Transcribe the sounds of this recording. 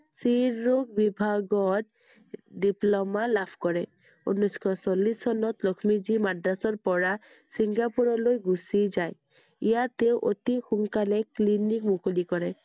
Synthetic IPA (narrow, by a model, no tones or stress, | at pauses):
siɹukbibʱaɡɔt̚ | diplɔmalapʰkɔɹɛ | ṵnuskʰɔsolːisːɔnɔtlɔkʰmizimadɹasɔɹpɔɹa | siŋɡapuɹɔlojɡusizaj | ijateʊʔotixuŋkalɛklinikmukolikɔɹɛ